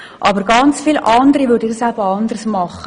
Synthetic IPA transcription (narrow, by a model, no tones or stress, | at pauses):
ʔɑbəɾɡɑnt͡sfiːlʔɑnd̪əɾiʋøːɾdɪdsæbəɑnd̪əɾsmɑχːə